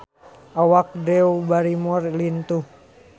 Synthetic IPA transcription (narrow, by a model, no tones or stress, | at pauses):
awak̚dɛubaɾimɔrlint̪uh